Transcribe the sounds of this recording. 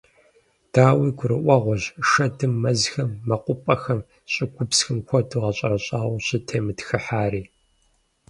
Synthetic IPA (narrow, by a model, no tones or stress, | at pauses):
d̥aːwiːɡʷʊɾɨ̰ʔʷɐʁʷɔʑʂɐdɨmːɐzxɐmːɐqʷʊpʼɐxɐm | ɕʼɪɡʷʊpsxɨmkʷʰɔduʁɐɕʼɐɾɐɕʼaːwɕɐtʰeːmɨtxɨħaːɾiː